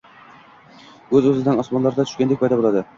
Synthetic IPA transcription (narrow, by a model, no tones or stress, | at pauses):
ɵzɵzɪd̪anɒsmɒnlˠaɾd̪at̪ʰʊ̥ʃkʲand̪ek̚ʲpɑjd̪abolˠad̪ɪ